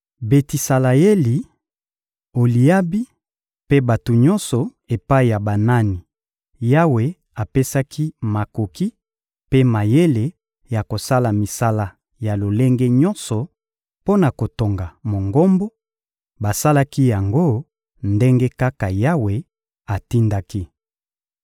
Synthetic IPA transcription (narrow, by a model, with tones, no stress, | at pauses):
be˨ti˨sa˨la˨je˦li˨ | o˨li˨ja˦bi˦ | pe˦ba˨to˨ɲɔ̃˦nsɔ˨ | e˨pa˦i˨ja˨ba˨na˦ni˨ | ja˦we˨ | a˨pe˦sa˦kʰi˦ma˨ko˨ki˦ | pe˦ma˨je˦le˨ | ja˨ko˨sa˦la˨mi˨sa˦la˦ | ja˨lo˨le˦ŋɡe˦ɲɔ̃˦nsɔ˨ | po˦na˨ko˨to˨ŋɡa˨mo˨ŋɡo˦mbɔ˦ | ba˨sa˦la˦ki˦ja˨ŋɡo˦ | nde˦ŋɡe˦ka˦ka˨ja˦we˨ | a˨ti˦nda˦ki˦